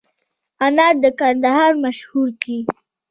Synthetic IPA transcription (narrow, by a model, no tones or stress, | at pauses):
anɑd̪əkand̪aɦɑɾmaʃhuɾd̪i